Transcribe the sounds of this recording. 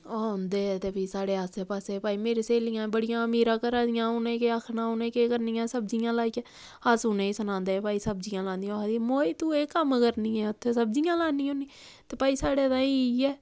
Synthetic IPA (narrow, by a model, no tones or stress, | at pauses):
aoːnd̪eːɛt̪eːpiːsaːɽeːaːsepaːseːpaːiːmeːɾeːseːlijãːbəɽɪjãːəmiːɾãːkəɾãːd̪ɪjãːʊnẽːkeakʰnãːonẽːkeːkəɾnijãːsəbd͡ʒijãːlaːikɛ | aːsʊːnẽːiːsənãːnd̪eːpaːiːsəb̚d͡ʒijãːlãːnd̪ij̃ːkːd̪iːmoːiːt̪ũːeːkəmkəɾnĩːɛːʊt̪ʰːeːsəb̚d͡ʒijãːlaːniːõːniː | t̪eːpaːiːsaːɽeːd̪ãːiiɛː